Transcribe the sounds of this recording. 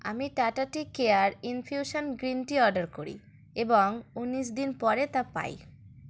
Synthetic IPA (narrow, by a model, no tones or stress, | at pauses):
a̰miʈaʈaʈikeaɾinfʰjuʃonɡɾinʈiɔɾɖaɾkoɾḭ | eboŋunːiʃd̪inpɔɾet̪apa̰j